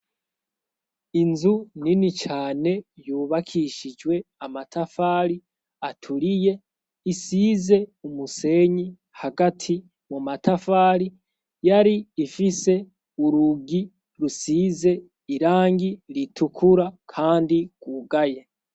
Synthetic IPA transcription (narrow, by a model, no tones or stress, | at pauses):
inzuninit͡ʃaːne̞juːβakʰiʃid͡ʒwe̞amatʰafaːɾi | atʰuɾije̞ | isiːze̞umuse̞ːɲi | haɡatʰi | mumatafaːɾi | jaɾiːfise̞ | uɾuɡi | ɾusiːze̞ | iɾaːŋɡiɾitukʰuɾakʰaːndiɡ̥uɡaje̞